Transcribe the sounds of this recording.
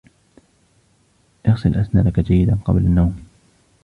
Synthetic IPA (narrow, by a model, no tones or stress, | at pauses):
ʔɑɣsɪlʔaθnaːlakad͡ʒajːɪd̪anqɑ̰blanːawm